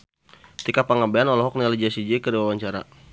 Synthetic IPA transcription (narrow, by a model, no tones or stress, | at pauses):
t̪ikapaŋabeanɔlɔɦɔk̚nelid͡ʒiasid͡ʒɛkəɾiwawaɲt͡ʃaɾa̰